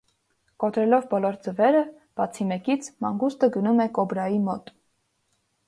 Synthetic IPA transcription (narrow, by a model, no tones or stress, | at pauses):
kɔt̪ɾɛlɔvbɔlɔɾd͡zəvɛɾə | b̥ɑt͡sʰimɛkit͡sʰmɑŋɡust̪əɡənumɛkɔbɾɑjimɔt̪